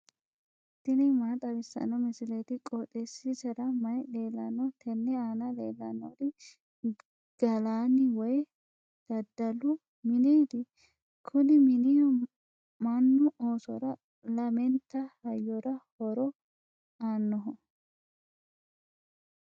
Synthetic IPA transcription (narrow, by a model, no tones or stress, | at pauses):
t̪ːɪnɪmaːt̪ʼɐbɪsːɐ̰nːɔmɪsɪlet̪ɪkʼɔt̪ʼesisɐɾɐmɐjle̞ːlːɐnːɔt̪ʰɛnːɛaːnɐlḛːlːɐnːɔd̪ɪ | ɡ̥ɐlaːnɪwɔj | d̪̥ɐd̪ːɐlːʊ | mɪneːd̪ɪ | kʰʊnɪmɪnɪjɔ | mɐnːʊʔoːsɔɾɐ | lɐmɛnt̪ːɐhɐjːɔɾɐhɔɾɔ | aːnːɔɦɔ